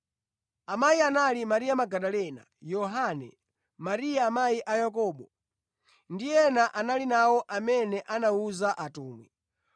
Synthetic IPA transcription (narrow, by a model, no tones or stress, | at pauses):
amaianalimaɾijamaɡaɗalɛna̰jɔɦanɛ̰ | maɾijaːmajiʔajakɔːɓɔ | ndijɛnaʔanalinawɔʔamɛnɛʔanauzaʔatɔːmwḭ